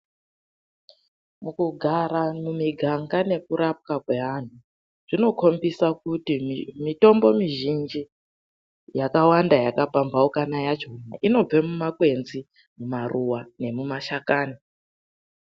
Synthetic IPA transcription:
mukuɡʱaɾamumiɡʱaŋɡane̞kuɾap̚kakwe̞ɦan̤u | ʐ̥ino̞kʰo̞mbisakutimmito̞mbo̞miʒind͡ʒi | jakawandajakapambaukanajat͡ʃonaʔino̞b͡vemumakwe̞nzi | mumarʔuwane̞mumaʃakaːni

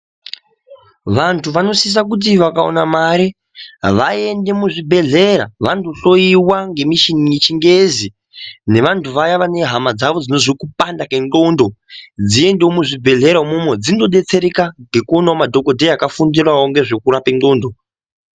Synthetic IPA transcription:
ʋantʰuʋano̞sis̬ak̬ut̬iʋakao̰namaɾi | ʋaende̞muʐibʱe̞ɮe̞ɾa̰ʋantoɬo̞iwaŋɡe̞miʃinijet͡ʃiŋɡe̞zi | ne̞ʋantʰuʋajaʋane̞ɦamad͡zaʋo̞d͡zino̞zikupandakendo̞ndo̞d͡zie̞ndeomuʐibʱe̞ɮe̞ɾamumwed͡zindo̞ɗe̞t͡se̞ɾekaŋɡe̞kuonamadʱo̞ko̞dʱeakafundirwawoŋɡe̞ʐe̞kuɾapendo̞ːndo̞

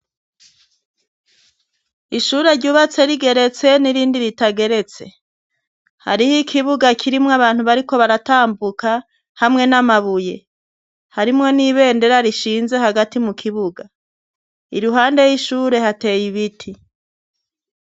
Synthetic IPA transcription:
iʃuːɾe̞ɾɟuːβat͡se̞ɾiɡe̞ɾe̞t͡se̞niɾiːndiɾitaɡe̞ɾe̞t͡se̞̰ | ha̰ɾihikʰiβuɡakʰiɾimŋaβaːn̥huβaɾiko̞βaɾataːmbukʰa | hamŋe̞namaβuje̞̰ | haɾimŋo̞niβe̞ːnde̞ɾaɾiʃiːnze̞haɡatimukʰiβuɡa | iɾuɦaːnde̞jiʃuːɾe̞hate̞ːjiβitʰi

